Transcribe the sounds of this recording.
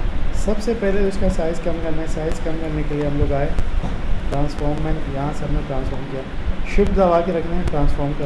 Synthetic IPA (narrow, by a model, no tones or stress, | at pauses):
sɐbsepɛɦlebʊskasaːɪzkɐmkɐɾnaɛ̃saːɪzkɐmkɐɾnekelieɦɐmloːɡaːɦeːʈɾãːnsfaːɾmːɛ̃ːɳʈjɐɦãsɐbneʈɾãːnsfəːɾmkijaːʃʊbzaʋaːkeɾɐkʰnaɛ̃ʈɾãːnsfaːɾmkɐɾ